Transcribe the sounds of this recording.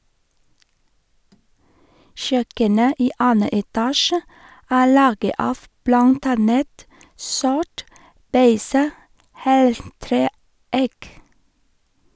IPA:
ˈʃœkənə ˈiː ˈɑːnə ɛˈtɑːʃə ˈæː ˈlɑːɡə ˈɑːf ˈblɑnt ˈɑnət ˈsɔʈ ˈbeɪsə ˈheːlˌtɾeː ˈæɪk

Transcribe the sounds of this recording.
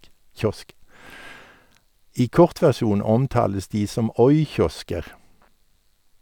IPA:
ˈiː ˈkɔʁt ʋæʁˈʃuːn ˈɔmˌtɑːləs ˈdiː ˈsɔm ˈɔʏˌçɔskəʁ

